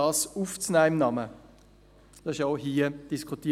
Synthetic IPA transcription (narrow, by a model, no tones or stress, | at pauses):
ɑːsuft͡snæːɪmnɑmə | d̥ɑsɪʃaʊɦiːəd̥iskʰχut̪i